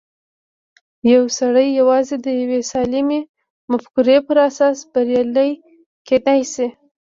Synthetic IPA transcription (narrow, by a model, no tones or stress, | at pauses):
jawsaɽəjːawɑzed̪əjawesɑlime | mafkuɾepəɾasɑsb̥aɾjɑləj | kenajsi